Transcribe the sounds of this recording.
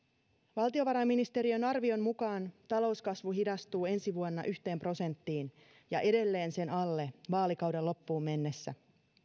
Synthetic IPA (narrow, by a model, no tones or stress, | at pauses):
ʋɑlt̪io̞ʋɑɾɑmːinist̪e̞ɾiønɑrʋio̞mmukɑːnt̪ɑlo̞uwskɑsʋuɦidɑst̪uːe̞nsiʋuonːɑ̰ʔyçt̪e̞ːmpro̞se̞nt̪ːiːn | jɑʔe̞de̞lːe̞ːnse̞nɑlːe̞ʋɑːlikɑwde̞lːo̞pːuːmːe̞nːe̞sːæ